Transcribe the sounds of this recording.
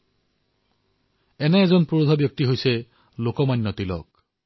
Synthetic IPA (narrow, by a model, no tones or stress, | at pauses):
ɛnɛːzɔnpuod̪ʱɔbjɔk̚tiɦojsɛ | lokɔmajnːɔtilɔ̰k̚